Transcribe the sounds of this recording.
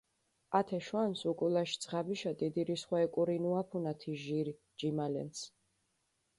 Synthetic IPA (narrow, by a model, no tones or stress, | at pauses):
at̪ʰɛʃwansukʼulaʃi̥t̪sʰʁabiʃad̪id̪iɾisχwaɛkʼuɾinuapʰunat̪ʰiʒiɾi | d͡ʒimalɛ̰ns